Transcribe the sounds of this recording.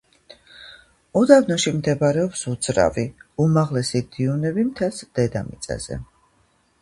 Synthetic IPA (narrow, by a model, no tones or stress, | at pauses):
ɔd̪avnɔʃimd̪ɛbaɾɛɔpsud̪z̥ɾa̰viumaʁlɛsid̪̥iunɛbimt̪ʰɛsd̪̥ɛd̪amḭt̪sʼa̰z̥ɛ̰